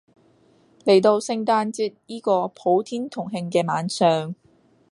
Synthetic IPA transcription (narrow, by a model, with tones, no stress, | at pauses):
le˨˩jt̪o˧wsɪ˧ŋt̪aː˧nt͡siː˧t̚jiː˥kɔː˧pʰo˨˥wt̪ʰiː˥nt̪ʰʊ˨˩ŋɦɪ˧ŋk̬ɛː˧maː˨˥nsœː˨˧ŋ